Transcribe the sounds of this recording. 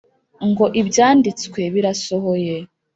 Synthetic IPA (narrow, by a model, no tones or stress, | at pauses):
ŋɡo̞ʔibjaːndit͡skwe̞βiɾasoɦoje